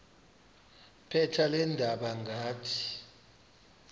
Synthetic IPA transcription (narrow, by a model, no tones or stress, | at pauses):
pʰɛtʰalɛndʱaɓaŋɡʱaːtʰi̥